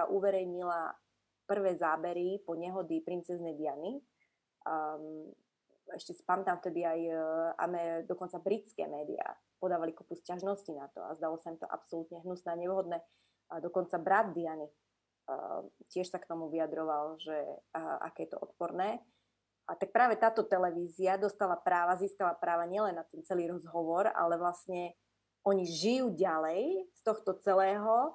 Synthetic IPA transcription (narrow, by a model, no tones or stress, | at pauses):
saʔuʋɛɾɛjɲila | pr̩ʋɛːzaːbɛɾipɔɲɛɦɔd̪ipɾint͡sɛznɛjd̪iani | ɛʃcɛsi̥pamɛt̪amft̪ɛd̪iaja̰mɛd̪ɔkɔnt͡sabɾit͡skɛ̰ːmɛːd̪ḭa̰ | pɔd̪aːʋalikupuscaʒnɔscinat̪ɔ̰a̰zd̪alɔsaimt̪ɔ̰ʔa̰psɔlut̪ɲɛɦnusnɛːaɲɛʋɦɔd̪nɛː | d̪ɔkɔnt͡sabɾad̪̚d̪iani | cɪɛʃsakt̪ɔmuʋiad̪ɾɔʋalʒɛʔa̰kɛːjɛt̪ɔ̰ʔɔt̪pɔɾnɛː | at̪ak̚pɾaːʋɛt̪aːt̪ɔt̪ɛlɛʋiːziad̪ɔst̪alapɾaːʋaziːskalapɾaːʋaɲɪɛlɛnːat̪ɛnt͡sɛliːɾɔzɦɔʋɔɾa̰lɛʋlastɲɛ | ɔɲiʒijuːɟalɛjst̪ɔxt̪ɔt͡sɛlɛːɦɔ